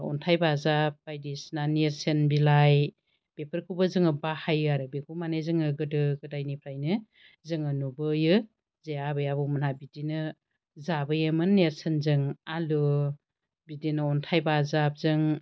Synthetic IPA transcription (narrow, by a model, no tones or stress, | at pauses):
ɔ̰ntʰajbazap̚bajdisnaneɾsenbilaj | b̥epʰɯɾkʰubɯzɯŋɯbahajɯaɾɯbekʰumanezɯŋɯɡɯdɯɡɯdajnipʰɾajnɯ | zɯŋɯnubɯjɯ | zeabɯjabɯwmɯnhabidinɯ | zabɯjɯmɯnːeɾsenzɯŋalɯ | bidinɯɔntʰajbazap̚zɯŋ